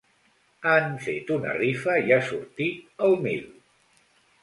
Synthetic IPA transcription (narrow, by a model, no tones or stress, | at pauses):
anfet̪unə̰rifəiasṵɾt̪iəlˠmḭl